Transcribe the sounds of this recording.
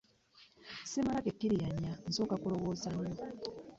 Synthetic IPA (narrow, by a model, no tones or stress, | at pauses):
simalakekːiɾijaɲːan̩zoːkakulo̞ɣo̞ːzaɲo